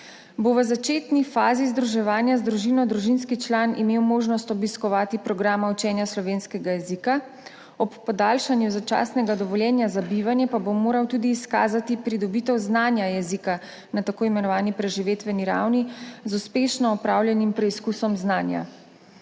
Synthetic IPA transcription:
boʋəzat͡ʃeːt̪nifaːzizd̪ɾuʒɛʋaːnjazd̪ɾuʒiːnɔd̪ɾuʒinskit͡ʃlanimeːwmoːʒnɔst̪ɔbiskɔʋaːt̪ipɾɔɡɾaːmaut͡ʃɛːnjaslɔʋeːnskɛɡajɛzika | ɔpːɔd̪aːlʃanjuzat͡ʃa̰ːsnɛɡad̪ɔʋɔljɛːnjazabiʋanjɛpabomoːɾawt̪ud̪iːska̰ːzat̪ipɾid̪ɔbiːt̪ɛwznaːnjajɛzika | nat̪akoːimɛnɔʋaːnipɾɛʒiʋeːt̪ʋɛniɾa̰wnizuspeʃnɔːpɾaːwljɛnimpɾɛiskusɔmznaːnja̰

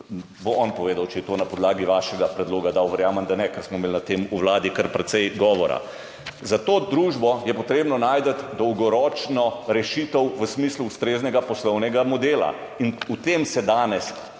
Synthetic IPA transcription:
boɔnpɔʋeːd̪awt͡ʃɛjɛt̪oːnapɔd̪laːɡiʋaːʃɛɡapɾɛd̪loːɡad̪awʋəɾjaːmənd̪anɛkəɾsmɔmeːlnat̪eːmuwlaːd̪ikəɾpɾɛt̪sɛjɡɔːʋɔɾa̰ | zat̪oːd̪ɾuːʒbɔjɛpɔt̪ɾeːbnɔnaːjd̪ət̪d̪ɔwɡɔɾɔːt͡ʃnɔɾɛʃit̪əwʋəsmiːsluːst̪ɾeːznɛɡapɔslɔwnɛɡamɔd̪eːla̰ | inut̪emsɛd̪aːnɛs

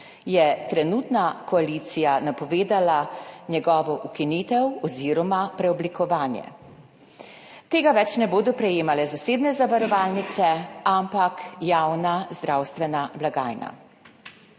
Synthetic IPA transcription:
jɛt̪ɾɛnuːt̪nakɔaliːt̪sijanapɔʋeːd̪alanjɛɡɔːʋɔʔukiniːt̪ɛwɔziːɾɔmapɾɛɔblikɔʋaːnjɛ̰ | t̪eːɡaʋɛt͡ʃnɛboːd̪ɔpɾɛjeːmalɛzaseːd̪nɛzaʋaɾɔʋaːlnit̪sɛampakjawnazd̪ɾawst̪ʋɛnablaɡaːjna̰

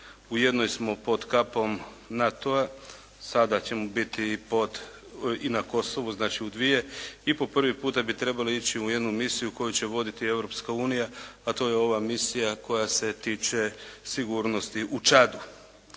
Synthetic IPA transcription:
ujed̪nojsmo̞po̞d̪kapo̞m | nat̪oa | sad̪at͡ɕe̞mobit̪ipo̞d̪ | inako̞so̞ʋuznaːt͡ʃiud̪ʋije̞ipo̞pr̩ʋipuːt̪abit̪ɾe̞baliit͡ɕiuje̞d̪numisijuko̞jut͡ɕe̞ʋo̞d̪it̪ie̞ʋɾo̞pskauːnijaat̪o̞ːjeo̞ʋamisijako̞jase̞t̪iːt͡ʃe̞siɡuːɾno̞st̪iʔut͡ʃad̪u

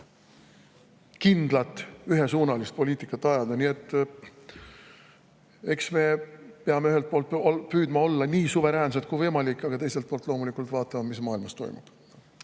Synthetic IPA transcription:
kind̪̥lɑt̪ːˑyɦe̞suːnɑlist̪̚po̞lʲiːt̪ːˑikːˑɑt̪ːˑɑjɑd̪ɑnie̞t̪ːˑ | e̞ksme̞peɑme̞yɦe̞lt̪̚po̞ːlt̪pyːd̪mɑo̞lːɑniːsuve̞ɾæːns̬et̪̚kujvɤjmɑlikːˑɑɡ̥ɑt̪e̞jselt̪̚poːlt̪lo̞ːmulikːˑult̪vɑːt̪ːˑɑmɑmismɑːilmɑst̪o̞̰jmṵb̥

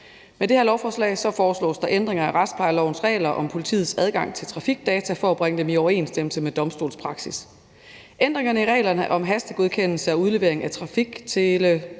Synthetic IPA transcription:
med̥e̝heɐlɒʊfɒːslɛ̰ːsɒ̽fɒːslɔ̰ːsd̥ɑ̈ʔend̥ʁeŋɐæʁɑ̈d̥spʰɑ̈ɪlɒʊnsʁɛ̰ːɪlɐʔɒ̽mpʰo̝lit͡sʰḭːð̩ˠsæð̞ˠɡ̥ɑ̈ŋ̰t͡sʰe̝lt͡sʰʁɑ̈fiɡ̥̚d̥ɛːt͡sʰæfɒ̽æb̥ʁeŋəd̥emiɒʊɐe̝̰ːnsd̥eml̩səmed̥ɒ̽msd̥o̝̰ːlspʰʁɑ̈ɡ̥sis | ʔend̥ʁeŋɐnəiʁɛ̰ːɪlɐnəʔɒ̽mɦæsd̥əɡ̥o̝ð̞ˠkʰen̰l̩səɒ̽uð̞ˠleʋe̝ɐe̝ŋæt͡sʰʁɑ̈fiɡ̥t͡sʰe̝lə

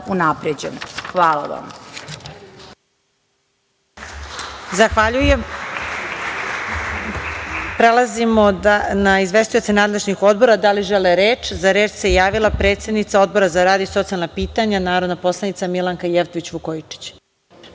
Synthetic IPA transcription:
unapɾed͡ʑenxʋaːlaʋa̰m | zaxʋaʎujem | pɾelˠazimoanaizʋe̞st̪ujo̞t̪senaːd̪leʒɲixo̞d̪̚bo̞ɾad̪aliʒeleɾeːt͡ʃzaɾe̞ːt͡ʃsejaːʋilˠapɾet̪sed̪nit̪sao̞d̪̚bo̞ɾazaɾaːd̪ioso̞t̪sialnapiːt̪aɲanaːɾo̞d̪napo̞slˠanit̪samilˠaŋkajeʋt̪oʋit͡ɕʋukojit͡ʂi̥t͡ɕ

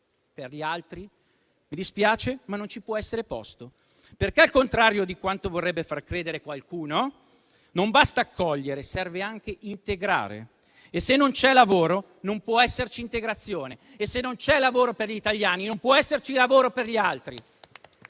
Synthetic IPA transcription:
perʎialt̪ɾi | mid̪ispjaːt͡ʃemanːont͡ʃipwɔɛsːeɾepɔ̰st̪o | perkealkont̪ɾaːɾjod̪ikwant̪ovorːɛbːefarkɾeːd̪eɾekwalkuːno | nombast̪aːkʰːɔʎːeɾesɛrveaŋkeʔint̪eɡɾa̰ːɾḛː | sːenːont͡ʃɛlavoːɾo | nompwɔɛsːert͡ʃiːnt̪eɡɾat̪sːjoːne | esːenːont͡ʃɛlavoːɾoperʎit̪aʎːaːninompwɔɛsːert͡ʃilavoːɾoperʎialt̪ɾi

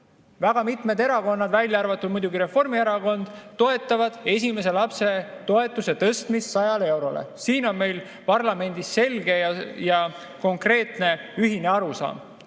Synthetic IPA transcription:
væɡ̥ɑmit̪ˑme̞d̪e̞ɾɑko̞nːɑd̪vælʲjɑɑrvɑt̪ːˑud̪̚mujd̪uɡiɾe̞fo̞rmie̞ɾɑko̞nd̪̥t̪ːo̞e̞t̪ːˑɑvɑd̪̥e̞s̬ʲime̞s̬e̞lɑpse̞t̪o̞e̞t̪ˑːuse̞t̪ɤst̪misːɑjɑlee̞wɾo̞lḛsiːno̞nme̞jl | pɑrlɑme̞nʲd̪isːe̞lɡe̞jɑjɑ | ko̞ŋkre̞ːt̪ne̞yɦine̞ɑɾusɑ̰ːm

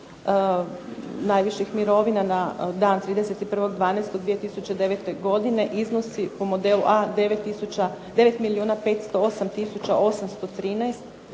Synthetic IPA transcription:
najʋiʃixmiɾo̞ʋinanad̪aːnt̪ɾiːd̪eset̪ipr̩ʋo̞ɡd̪ʋaːnajst̪od̪ʋije̞t̪isut͡ɕe̞d̪e̞ʋet̪e̞ɡo̞d̪ine̞ʔizno̞sipo̞mod̪e̞luʔad̪eʋet̪ːisut͡ʃad̪e̞ʋe̞t̪miliuːnape̞ːt̪st̪o̞osamt̪isut͡ɕaʔo̞samst̪o̞t̪ɾiːnajst̪

